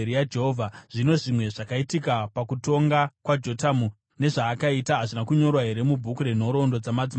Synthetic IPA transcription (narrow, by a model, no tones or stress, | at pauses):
ɾijad͡ʒeɦovʱaʐ̥ino̞ʐimwe̞ʐakaitikapakuto̞ŋɡakwad͡ʒo̞tamu | ne̞ʐaːkaitaɦaʐinakuɲo̞rwaɦe̞ɾe̞mubʱukuɾe̞n̤o̞ɾo̞ndo̞d͡zamad͡zi